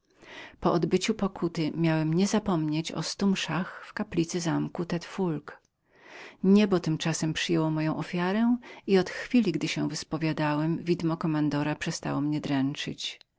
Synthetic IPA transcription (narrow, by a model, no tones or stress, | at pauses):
pɔʔɔd̪bɘt͡ɕupɔkʰut̪ɘmʲjawɛmɲɛzapɔmɲet͡ɕɔ̰st̪umʂaxfkaplʲit̪sɘzamkut̪ɛt̪fulk | ɲɛbɔt̪ɘmt͡ʂasɛmpʂɘjɛwɔmɔjɔ̃w̃ʔɔfʲjaɾɛiɔt̪xfʲilʲiɡd̪ɘɕɛ̃vɘspɔvʲjad̪awɛmvʲid̪mɔkɔmand̪ɔɾapʂɛst̪a̰wɔmɲɛd̪ɾɛnt͡ʂɘ̰t͡ɕ